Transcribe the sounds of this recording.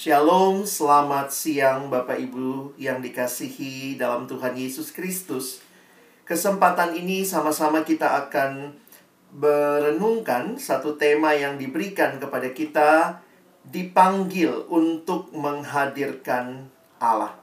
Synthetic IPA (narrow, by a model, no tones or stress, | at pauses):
ʃialomsəlamat̪̚siaŋbapaibujaŋdikasihidalamt̪uɦanjesuskɾist̪us | kəsəmpat̪aninisamasamakit̪aːkan | bəɾənuŋkansat̪ut̪emajaŋdibəɾikankəpadakit̪a | dipaŋɡɪlunt̪ʊk̚məŋɦadirkan | ʔa̰la̰h